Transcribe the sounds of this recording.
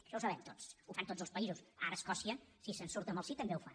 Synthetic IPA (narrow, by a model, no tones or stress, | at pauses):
ə̥ʃɔwsəβɛmt̪osufant̪od͡zzəlˠspəizusaɾəːskɔsiəsisənsuɾt̪əməlˠsit̪əmbeufa